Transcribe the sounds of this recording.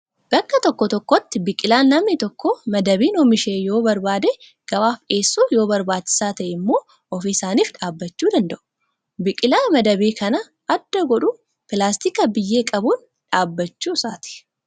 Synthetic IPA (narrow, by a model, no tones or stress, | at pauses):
b̥ɐkːɐt̪ɔkːɔt̪ɔkːɔt̪ːɪbɪkʼɪlaːnlɐmnɪt̪ɔkːomɐd̪ɐbiːnomɪʃeːjo̞ːbɐɾbaːd̪ɛ | ɡ̥ɐwaːfᶑe̞ːsːuːjo̞ːbɐɾbaːdt͡ʃːɪ̥saːt̪ɐʔɛɪmːo̞ː | ɔfɪsaːniːfᶑaːbːɐt͡ʃːuːd̪ɐnd̪ɐʔʊ̥ | bɪkʼɪlaːmɐd̪ɐbiːkʰɐnɐ | ɐd̪ːɐɡɔᶑʊ | pɪlaːst̪ikɐbɪjːe̞ːkʼɐbuːn | ᶑaːbːɐt͡ʃːuːsaːt̪ɪ̥